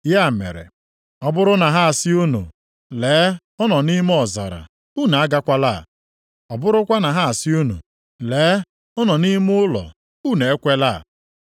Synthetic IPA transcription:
ja˦˨mḛ˨ɾḛ˨ | ɔ˨bʊ˦ɾʊ˦na˨ɦa˦a˨sɪ˦u˦no̰˨ | leː˨˦ | ɔ˦nɔ˨ni˦m˦ɔ˨za̰˨ɾa̰˨ | u˦˨na˨a˦ɡa˦kʷa˦la̰˦˨ | ɔ˨bʊ˦ɾʊ˦kʷa˦na˨ɦa˦a˨sɪ˦u˦no̰˨ | leː˨˦ | ɔ˦nɔ˨ni˦mʊ˦ʊ˦lɔ̰˨ | u˦˨ne˨e˦kʷe˦la˦˨

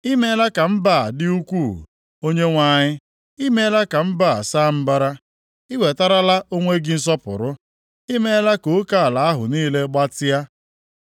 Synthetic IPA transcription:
i˦me˦la˦ka˨m̩˦ba˦˨dɪ˦u˦kʷu˦˨ | o˦ɲe˦ŋʷa˨ɲɪ˦ | i˦me˦la˦ka˨m̩˦ba˦˨sa˦˨m̩˦ba˦ɾa˦ | i˦we˨ta˦ɾa˦la˦ʔo˦ŋʷe˦ɡɪ˦n̩˦s̬ɔ˦pʊ̰˨ɾʊ˦ | i˦me˦la˦ko˨˦ka˦˨la˨a˦ɦʊ̰˨niː˦le˦ɡ͡ba˦tɪ˦ja˦

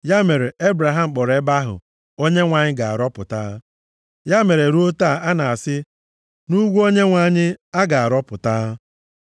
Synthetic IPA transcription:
ja˦me˨ɾe˨e˦bɾa˨ɦa˨m̩˨k͡pɔ˨ɾe˦ba˦ɦʊ̰˨ | o˦ɲe˦ŋʷa˨ɲɪ˦ɡa˨a̰˨ɾɔ˦pʊ˨ta˦ | ja˦me˨ɾe˨ɾu˦o˦ta˦˨a˦na˨a˨sɪ˦ | nu˦ɡʷu˦o˦ɲe˦ŋʷa˨˦ɲɪ˦a˦ɡa˨a˨ɾɔ˦pʊ˨ta˦

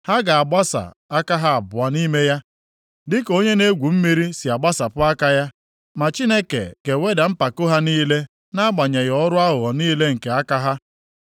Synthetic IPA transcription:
ha˦ɡa˨a˨ɡ͡ba˦sa̰˨ | a˦ka˦ɦa˦a˨bʊ˨a˨ni˦me˦ja˦ | dɪ˦ko˦ɲe˦ne˦ɡʷu˨m̩˦mi˦ɾi˦si˨a˨ɡ͡ba˦sa˨pʊ˦a˦ka˦ja˦ | ma˨t͡ʃi˦ne˦kḛ˨ke˨we˦da˨m̩˦pa˨kʊ˦ɦa˦niː˦le˦ | na˦ɡ͡ba˨ɲe˨ɣɔ˦ɾʊ˦a˦ɦʊ˨ɔ˨niː˦le˦ŋ̩˨ke˨a˦ka˦ɦa˦

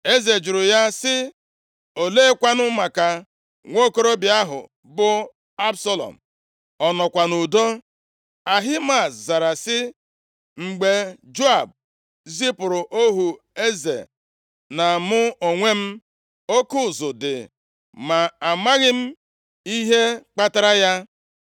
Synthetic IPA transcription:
e˦ze˨d͡ʒʊ˨ɾʊ˨ja˦sɪ˦ | o˨leː˦kʷa˦nʊ˦ma˨ka˨ | ŋʷo˦ko˦ɾo˦bɪ˨a˦ɦʊ̰˨ | bʊ˦ | a˦bsɔ˦lɔ̰˨m̩˨ | ɔ˨nɔ˨kʷa˨nu˨do˦ | a˨ɦi˦ma˨sza˨ɾa˨sɪ˦ | ŋ͡m̩˨ɡ͡be˨d͡ʒo˦a˨b̚ | zi˦pʊ˨ɾʊ˨ʔo˦ɦu˨ | e˦zḛ˨ | na˨mʊ˦o˨ŋʷe˦m̩˦ | o˦kʊ˦˨zʊ˨dɪ̰˨ | ma˨a˨ma˦ɣɪ˦m̩˦ | i˦ɦe˦k͡pa˦ta˦ɾa˦ja˦

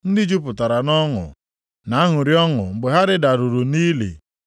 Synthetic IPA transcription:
n̩˦dɪ˦d͡ʒu˦pʊ˨ta˨ɾa˨nɔ˦ŋʊ̰˨ | na˨a˦ɦʊ˨ɾi˦ɔ˦ŋʊ̰˨ŋ͡m̩˨ɡ͡be˨ɦa˦ɾɪ˦da˨ɾu˨ɾu˨niː˦lḛ˨

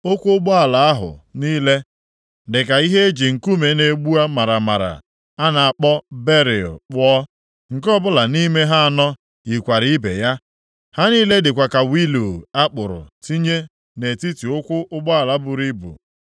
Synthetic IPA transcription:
o˦kʷʊ˦ɡ͡bɔ˦a˨la˨a˦ɦʊ̰˨niː˦le˦ | dɪ˨ka˨i˦ɦe˦e˦d͡ʒi˨ŋ̩˨ku˦me˨˦ne˨ɡ͡bu˦a˦ma˨ɾa˨ma̰˨ɾa̰˨ | a˦na˨a˨k͡pɔ˦be˦ɾɪ˨ɔ̰˨k͡pɔ˦ | ŋ̩˨kɔ˦bʊ˦la˨ni˦me˦ɦa˦a˨nɔ˦ | i˨kʷa˨ɾi˦i˦bḛ˨ja˦ | ha˦ni˦le˦dɪ˨kʷa˨ka˨wi˦lu˨a˦k͡pʊ˨ɾʊ̰˨ti˦ɲe˦ | ne˨ti˦ti˨ʊ˦kʷʊ˦ʔʊ˦ɡ͡bɔ˦a˨la˨bʊ˨ɾi˦bʊ̰˨

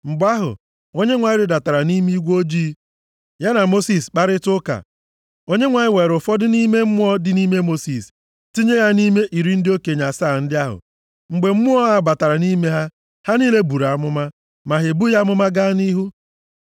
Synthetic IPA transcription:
m̩˨ɡ͡ba˦ɦʊ̰˨ | o˦ɲe˦ŋʷa˨ɲɪ˦ɾɪ˨da˨ta˨ɾa˨ni˦m˦i˦ɡʷo˦d͡ʒiː˦ | ja˦na˨mo˦si˨sk͡pa˦ɾɪ˦tʊ˦ka̰˨ | o˦ɲe˦ŋʷa˨ɲɪ˦we˨ɾʊ˨fɔ˦dɪ˦ni˦me˦m̩˦mʊ˦ɔ˦dɪ˦ni˦me˦mo˦si˨s | ti˦ɲe˦ja˦ni˦me˦ʔi˨ɾi˦n̩˦dɪ˦o˦ke˨ɲa˨sa˦˨n̩˦dɪ˦a˦ɦʊ̰˨ | ŋ͡m̩˨ɡ͡be˨m̩˦mʊ˦ɔ˦a˦ba˨ta˨ɾa˨ni˦me˦ɦa˦ | ha˦niː˦le˦bu˨ɾa˨mʊ˦ma˦ | ma˨ɦe˨bu˦ja˦mʊ˦ma˦ɡa˦ni˦ɦu˦

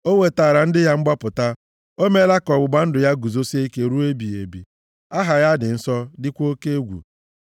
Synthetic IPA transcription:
o˦we˨taː˨ɾa˨n̩˦dɪ˦ja˦ŋ͡m̩˦ɡ͡ba˦pʊ˨ta˦ | o˦me˦la˦kɔ˨ɡ͡bʊ˨ɡ͡ba˦n̩˦dʊ˨ja˦ɡu˨zo˦se˦i˦ke˨ɾu˦e˦bi˨e˨bḭ˨ | a˦ɦa˨ja˦dɪ˨n̩˦sɔ˦dɪ˦kʷo˦ke˦e˦ɡʷṵ˨

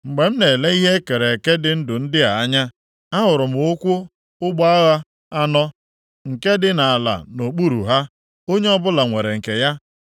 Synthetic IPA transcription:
ŋ͡m̩˨ɡ͡be˨m̩˦ne˨le˦i˦ɦe˦ke˨ɾe˨e˨ke˦dɪ˨n̩˦dʊ˨n̩˦dɪ˦a˨a˦ɲa˦ | a˦ɦʊ˨ɾʊ˨m̩˨ʊ˦kʷʊ˦ | ʊ˦ɡ͡bɔ˦a˦ɣa˦ | a˦nɔ˦ | ŋ̩˨ke˦dɪ˦na˨a˨la̰˨no˨k͡pu˦ɾṵ˨ɦa˦ | o˦ɲe˦ɔ˦bʊ˦la˨ŋʷe˨ɾe˨ŋ̩˨ke˨ja˦

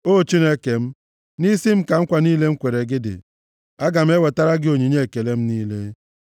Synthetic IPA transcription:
o˦˨t͡ʃi˦ne˦ke˨m̩˦ | ni˦si˦m̩˦ka˨ŋ̩˦kʷa˨niː˦le˦ŋ̩˦kʷe˨ɾe˨ɡɪ˦dɪ̰˨ | a˦ɡa˨m̩˦e˦we˨ta˦ɾa˦ɡɪ˦o˨ɲi˨ɲe˦˨ke˨le˦m̩˦niː˦le˦

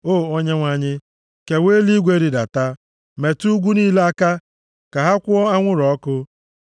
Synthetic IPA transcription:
o˦˨o˦ɲe˦ŋʷa˨ɲɪ˦ | ke˨we˦li˦ɡʷe˦ɾi˨da̰˨ta˦ | me˨tu˦ɡʷu˦niː˦le˦a˦ka˦ | ka˨ɦa˦kʷʊ˦ɔ˦a˦ŋʷʊ˦ɾɔ˨˦kʊ˦

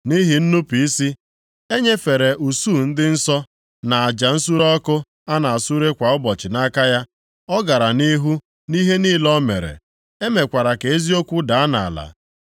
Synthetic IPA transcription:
ni˦ɦi˨n̩˦nu˦pi˨i˦si˦ | e˦ɲe˦fe˨ɾe˨ʔu˨suː˦˨n̩˦dɪ˦n̩˦sɔ˦ | na˨a˨d͡ʒa˨n̩˦su˦ɾɔ˦kʊ˦ | a˦na˨a˨su˦ɾe˦kʷa˨ʊ˦bɔ˨t͡ʃɪ˨na˦ka˦ja˦ | ɔ˦ɡa˨ɾa˨ni˦ɦu˦ | ni˦ɦe˦niː˦lɔ˦me˨ɾḛ˨ | e˦me˨kʷa˨ɾa˨ke˨e˦zi˦o˦kʷu˦da˨a˦na˨a̰˨la̰˨

